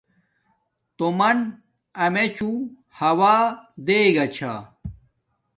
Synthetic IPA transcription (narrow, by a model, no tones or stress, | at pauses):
t̪omɐn | ɐmet͡ɕu | hɐwaːd̪eːɡɐt͡ɕʰa